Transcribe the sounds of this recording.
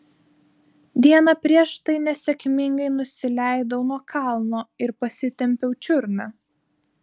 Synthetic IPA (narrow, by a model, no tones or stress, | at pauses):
d̪ʲiɛnɑpʲɾʲiɛʃt̪ɐɪnʲɛsʲɛkʲmʲɪŋɡɐɪnʊsʲɪlʲæˑɪd̪ɐʊnuɔkʰɑˑlˠnoːɪɾpɐsʲɪt̪ʲɛmʲpʲɛʊt͡ʃʲʊɾnɑ